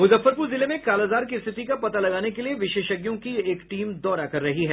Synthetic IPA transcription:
mʊzəfːəɾpuːɾzɪlemẽkaːlaːzaːɾkist̪ʰɪt̪ikapɐt̪alɐɡaːnekelieʋɪʃeːʃəɡjõkieːkʈiːmd̪ɔːɾakɐɾːɐɦiɦɛː

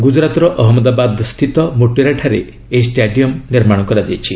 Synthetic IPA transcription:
ɡud͡ʒɾat̪ɔɾɔʔɔɦɔmɔd̪abad̪st̪ʰit̪ɔmoʈiɾaʈʰaɾḛ | eisʈeɖiɔmniɾmaɽ̃ɔkɔɾad͡ʒ̪iet͡ʃʰi

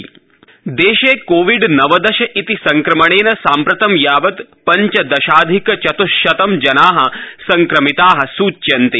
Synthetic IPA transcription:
d̪eːʃeːkoːʋiɖnɐʋɐd̪ɐʃɐʔit̪isɐŋkɾɐmɐɳeːnɐsaːmpɾɐt̪ɐmjaːʋɐt̪pɐɲt͡ʃɐd̪ɐʃaːd̪ʱikɐt͡ʃɐt̪uʃɐt̪ɐmd͡ʒɐnaːɦɐ̆sɐŋkɾɐmit̪aːɦɐ̆suːt͡ʃːʃɐnt̪i

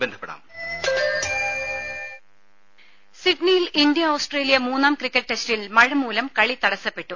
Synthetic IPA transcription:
bend̪ʰʱɐpːeɽa̰ːm | siʈnijilind̪ijɐoːsʈre̞ːlijɐmuːnːaːmkrikʲːeʈ̚ʈe̞stilmɐɻɐmuːlɐmkɐɻit̪ɐɽɐsːɐpːe̞ʈːu

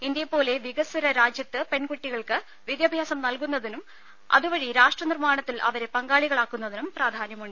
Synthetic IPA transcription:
ind̪jɐpːo̞ːle̞ʋiɡɐsuɾɐɾaːd͡ʑjɐt̪ːɨpe̞nkuʈːiɣɐɭkɨ | ʋid̪jɐbʱjaːsɐmnɐlkun̪ːɐðinum | ɐ̰ðuʋɐɻiɾaːʂʈrɐnirmaːɳɐt̪ːilʔɐ̰ʋɐɾe̞pɐŋɡaːɭiɣɐɭaːkːunːɐðinumpraːd̪ʱaːnjɐmuɳɖɨ

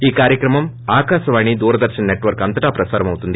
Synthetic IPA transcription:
iːkaːɾjɐkɾɐmɐm | aːkaːsɐʋaːɳid̪uːɾɐd̪ɐɾʂɐnneʈːʋɐɾkɐnt̪ɐʈaːpɾɐsaːɾɐmɐʋut̪ːund̪i

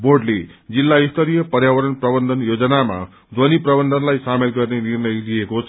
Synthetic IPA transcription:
boɖled͡zilːaist̪ʰʌɾijʌpʌrjawʌɾʌnprʌbʌnd̪ʱʌnjod͡zʌnama̰ | d͡z̪ʱwʌniprʌbʌnd̪ʱʌnlajsamelɡʌrnenirnʌjlijekot͡sʰ

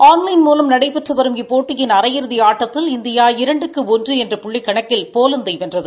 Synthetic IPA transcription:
ʔaːnlɐɪnmuːlɐmnɐɽɐɪpːɛʈrɯʋɐɾɯmɪpːoːʈːɯjɪnɐɾɐjɪɾɯðɪaːʈːɐt̪ːɪlɪnd̪ɪjaːɪɾɐɳɖɯkːɯɔndrɯɛndrɯpʊɭːɪkːɐɳɐkːɪlpoːlɯnd̪ɐɪʋɛndrɐðɯ

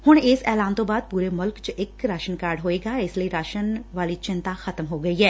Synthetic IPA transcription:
hʊɳ̃ɪsɛːlaːnt̪õːbaːd̪̚puːɾeːmʊlkt͡ʃɪkɾaːʃənkaːɾɖɦoːeːɡaːɪsliiɾaːʃənʋaːliːt͡ʃɪ̃nt̪axɐt̪mɦoːɡɐiːɦɛː

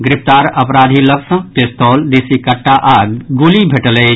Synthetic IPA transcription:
ɡɾɪp̚ʰt̪aːɾɐpɾaːd̪ʱiləksə̃pest̪ʰɔːld̪isikəʈːaʔadɡulibʱeʈələ

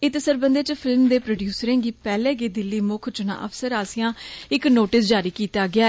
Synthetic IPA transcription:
ɪt̪səɾbənd̪eːt͡ʃpʰɪlmd̪eːpɾoːɖjuːsəɾẽːɡiːpɛːlẽːɡeːd̪ɪlːiːmʊkʰt͡ʃʊnã̰ːʔəfsəɾaːsɪjãːɪknoːʈɪsd͡ʒaːɾiːkiːt̪aːɡɪaː

